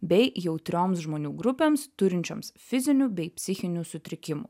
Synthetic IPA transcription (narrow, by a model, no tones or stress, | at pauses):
bʲɛɪjɛʊt̪ʲɾʲoːmsʒmoːnʲuːɡɾʊpʲeːmst̪ʊɾʲɪnʲt͡ʃʲo̰msfʲɪzʲɪnʲuːbʲɛɪpʲsʲɪxʲɪnʲuːsʊt̪ʲɾʲɪkʲɪmṵ